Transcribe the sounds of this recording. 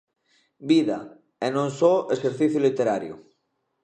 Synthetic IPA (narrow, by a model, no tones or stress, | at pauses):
biða̰ | enõnsoʔeseɾθiθjulit̪eɾaɾjṵ